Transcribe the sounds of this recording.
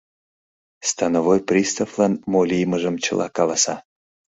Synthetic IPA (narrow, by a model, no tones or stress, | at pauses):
st̪ɑnəvojprʲist̪əflˠɑnmolʲijməʒəmt͡ɕə̰̆lˠʔɑkɑlɑsɑ